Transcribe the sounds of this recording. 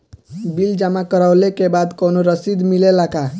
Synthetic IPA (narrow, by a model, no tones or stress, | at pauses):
bild͡ʒamakəɾawlekebad̪kɔwnoɾəsid̪milelaka